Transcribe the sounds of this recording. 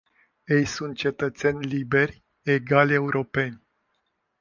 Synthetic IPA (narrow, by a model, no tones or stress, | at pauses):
je̞jsunt̪̚t͡ʃe̞t̪ət̪se̞nʲlibe̞rʲ | eɡalʲe̞uɾo̞pe̞nʲ